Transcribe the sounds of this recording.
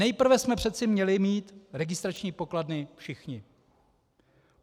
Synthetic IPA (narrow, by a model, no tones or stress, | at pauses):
ɛjpr̩vɛsmɛpr̥ɛt̪̚t͡sɪmɲɛlɪmiːt̪ɾɛɡɪst̪ɾat͡ʃɲiːpo̞kladnɪfʃɪxɲɪ